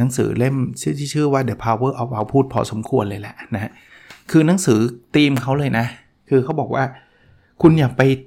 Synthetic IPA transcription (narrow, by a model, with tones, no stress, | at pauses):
na˩˦ŋsɯ̰ː˩˦le˥˩mt͡ɕʰɯ˥˩˨t̪ʰiː˥˩t͡ɕʰɯː˥˩waː˥˩di˩˦pʰaː˧wɤː˥˩ʔa˧˩ʔa˧wpʰuː˥˩t̪̚pʰɔ̰ː˨˩so˩˦mkʰu˧ənlɤː˧jlɛ˨˩ʔna˦˥ha˦˥ | kʰɯː˧na˧˦ŋsɯː˩˦t̪iː˧mkʰa˦˥wlɤː˧jna˦˥ | kʰɯː˧kʰa˦˥wbɔː˨˩k̚waː˥˩ | kʰu˧njaː˨˩k̚pa˧j